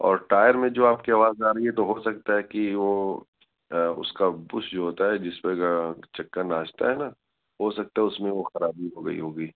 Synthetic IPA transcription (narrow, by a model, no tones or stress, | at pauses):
ɔ̰ːɾʈaːjəɾmẽd͡ʒoːaːp̚kiaːʋaːzaːɾɐiɦɛt̪oɦosɐk̚t̪aɦɛkiʋo | ʊ̰skabʊʃd͡ʒoɦoːt̪aɦɛd͡ʒɪspeɡat͡ʃɐkːənːaːt͡ʃt̪a̰ɦɛna | ɦoːsɐk̚t̪aɦɛʊsmẽʋoxɐɾaːbʱiɦoːɡɐ̰ḭɦoːɡiː